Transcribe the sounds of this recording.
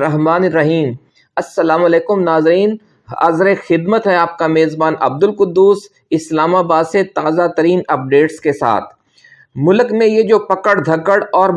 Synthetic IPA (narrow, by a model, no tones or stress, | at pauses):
ɾɐɦmaːneɾːɐɦiːm | ɐsːɐlaːmɐleːkʊmnaːzɾiːn | ɐ̰zɾexɪd̪mət̪ɦɛaːp̚kameːzbaːnɐ̰b̚d̪ʊlqʊd̪ːuːs | ɪslaːmabaːd̪set̪aːzat̪ɐɾiːnɐp̚ɖeːʈskesa̰ːt̪ʰ | mʊlkmẽjed͡ʒoːpɐkəɽd̪ʱɐkəɽɔːɾ